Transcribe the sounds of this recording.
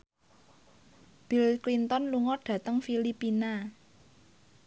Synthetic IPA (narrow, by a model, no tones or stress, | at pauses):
b̥i̤lklint̪ɔnluŋɔɖ̥ä̤t̪əŋfilipina